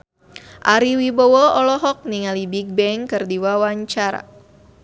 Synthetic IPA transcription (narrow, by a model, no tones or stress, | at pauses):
ʔaɾiwibɔwɔɔlɔɦɔk̚niŋalibik̚bɛŋkɨrdiwawaɲt͡ʃaɾa̰